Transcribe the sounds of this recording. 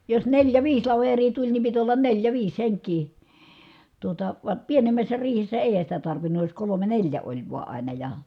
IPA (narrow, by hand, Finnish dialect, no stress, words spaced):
jos neljæ ʋiːs lɑʋerˑiː tulʲ ni pit olːɑn neljæ ʋiːs heŋkˑiː tuotɑ ʋɑ pienemːæsːæ riːhesːæ eˑi̯hæn̞ sitæ tɑrʋinːuj jos kolome nelʲjæ olʲ ʋuɑ ɑˑinɑ jɑ